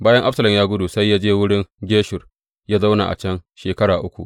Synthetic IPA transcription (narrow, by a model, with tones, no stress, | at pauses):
baː˦jɐ˦ŋʔa˦sɐ˨lɐ˨mjaː˦ɡʷʊ˦du˨sa˦jːaː˦d͡ʒeː˦wʊ˦ɽɪ˦ŋɡʲeː˦ʃʊ˨r | jaː˦za˦wna̰˨ʔa̰˨t͡ʃɐ˦nʃeː˨kɐ˦ɽaː˨ʔʊ˦kʷṵ˨ʔ